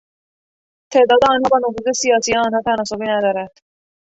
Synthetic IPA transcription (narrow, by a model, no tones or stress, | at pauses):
t̪ʰe̞ːd̪ɒːd̪eɒːnhɒːbɒːnofuːze̞sijɒːsijeɒːnhɒːt̪ʰænɒːsobiːnæd̪ɒːɾænd̪̥